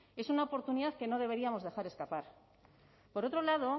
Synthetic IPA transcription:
e̞sunaopo̞ɾt̪uniðaθke̞no̞ð̞e̞βe̞ɾiamo̞zðe̞xaɾe̞skapaɾ | po̞ɾo̞t̪ɾo̞laðo̞

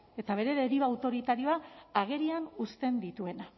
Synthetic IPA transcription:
e̞t̪aβ̞e̞ɾe̞ɾeɾiβaːwt̪o̞ɾit̪aɾio̞aːɣ̞e̞ɾianust̪e̞nd̪it̪ue̞na

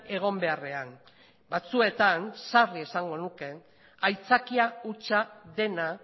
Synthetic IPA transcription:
e̞ɣ̞o̞mbe̞are̞an | bat͡sue̞t̪ansarie̞saŋɡo̞nuke̞ | ajt͡sakiaut͡ʃaðe̞na

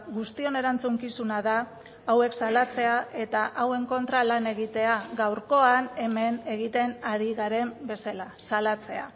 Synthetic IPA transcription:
ɣust̪io̞ne̞ɾant͡suŋkisunaðaː | we̞ksalat͡se̞ae̞t̪aʔawe̞ŋko̞nt̪ɾalane̞ɣit̪e̞aɣawɾko̞ane̞me̞ne̞ɣit̪e̞naɾiɣaɾe̞mbe̞salasalat͡se̞a̰

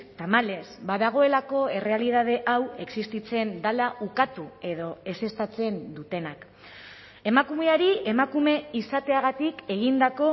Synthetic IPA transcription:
t̪amale̞sbaðaɣ̞o̞e̞lako̞e̞re̞alið̞að̞e̞ʔawe̞ksist̪it͡se̞nd̪alaukat̪ue̞ð̞o̞e̞se̞st̪at͡se̞nd̪ut̪e̞nak | e̞makume̞aɾie̞makume̞isat̪e̞aɣat̪ike̞ɣ̞ind̪ako̞

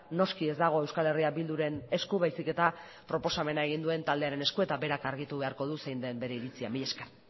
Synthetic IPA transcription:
no̞skie̞zd̪aɣ̞o̞e̞wskale̞riabild̪uɾe̞ne̞skuβajsike̞t̪a | pɾo̞po̞same̞nae̞ɣ̞ind̪ue̞nt̪ald̪e̞aɾe̞ne̞skue̞t̪abe̞ɾakaɾɣit̪uβe̞aɾko̞ð̞usejnd̪e̞mbe̞ɾe̞iɾit͡siamiʎeska

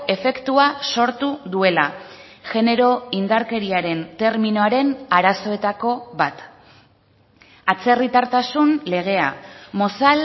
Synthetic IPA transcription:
e̞fe̞kt̪uaso̞ɾt̪uðue̞la | ʝe̞ne̞ɾo̞ind̪aɾke̞ɾiaɾe̞nt̪e̞ɾmino̞aɾe̞naɾaso̞e̞t̪ako̞βat̪ | at͡se̞rit̪aɾt̪asunle̞ɣ̞e̞a̰mo̞sal

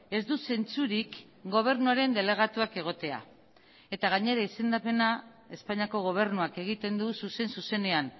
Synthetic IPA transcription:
e̞zd̪use̞nt͡suɾik | ɡo̞β̞e̞ɾnuaɾe̞nd̪e̞le̞ɣ̞at̪uakeɣ̞o̞t̪e̞a̰ | e̞t̪aɣ̞aɲe̞ɾaise̞nd̪ape̞na | e̞spaɲiako̞ɣ̞o̞β̞e̞ɾnuake̞ɣ̞it̪e̞nd̪ususe̞nsuse̞ne̞an

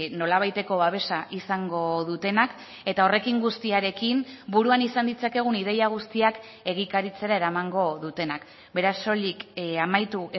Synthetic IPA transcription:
no̞laβ̞ajt̪e̞ko̞βaβ̞e̞saʔisaŋɡo̞ðut̪e̞nak | e̞t̪ao̞re̞kiŋɡust̪iaɾe̞kimbuɾuanisand̪it͡sake̞ɣ̞unið̞e̞jaɣ̞ust̪iak | e̞ɣ̞ikaɾit͡se̞ɾae̞ɾamaŋɡo̞ðut̪e̞nak | be̞ɾaso̞likamajt̪ue

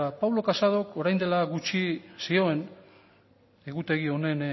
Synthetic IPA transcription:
apawlo̞kasað̞o̞ko̞ɾajnd̪e̞laɣut͡ʃisio̞e̞n | e̞ɣut̪e̞ɣio̞ne̞n

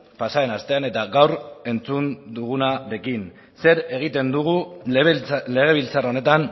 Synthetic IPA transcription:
pasae̞nast̪e̞ane̞t̪aɣawɾe̞nt͡sund̪uɣ̞unaɾe̞kin | se̞ɾe̞ɣ̞it̪e̞nd̪uɣ̞u | le̞ɣ̞e̞β̞ilt͡sarao̞ne̞t̪an

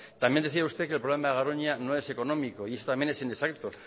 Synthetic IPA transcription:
t̪amjend̪eθiaust̪e̞kelpɾlemaɣaɾoɲanoe̞se̞ko̞nõ̞miko̞ie̞sot̪amje̞ne̞sinesakt̪o

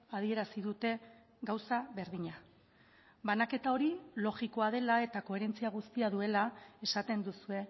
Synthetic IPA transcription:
að̞ie̞ɾasiðut̪e̞ | ɡawsaβe̞ɾðiɲa | banake̞t̪ao̞ɾilo̞ɣiko̞að̞e̞lae̞t̪ako̞e̞ɾe̞nt͡siaɣ̞ust̪iaðue̞lae̞sat̪e̞nd̪usue̞

